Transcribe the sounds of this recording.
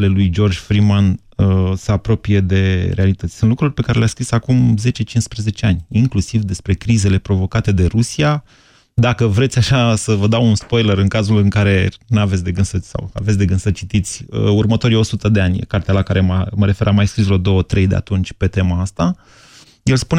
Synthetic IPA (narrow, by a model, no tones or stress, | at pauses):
le̞lujd͡ʒo̞rd͡ʒʲfɾiman | əsəapɾo̞pije̞d̪e̞ɾe̞alit̪ət̪sʲsunt̪lukɾurʲpe̞kaɾe̞leaskɾisakumze̞t͡ʃe̞t͡ʃinspɾəze̞t͡ʃeanʲiŋklusivd̪e̞spɾe̞kɾize̞le̞pɾo̞vo̞kat̪e̞d̪e̞ɾusia | d̪akəvɾet̪sʲaʃasəvəd̪awunspo̞jləɾɨŋkazulɨŋkaɾe̞navet̪sʲd̪e̞ɡɨnsət̪sʲsa̰wa̰vet̪sʲd̪e̞ɡɨnsət͡ʃit̪it̪sʲəurmət̪o̞ɾijo̞sut̪əd̪e̞an̰ʲkart̪ealakaɾe̞maməɾe̞fe̞ɾamajskɾislod̪o̞wət̪ɾe̞jd̪e̞̰a̰t̪unt͡ʃʲpe̞t̪e̞maast̪a | jelspune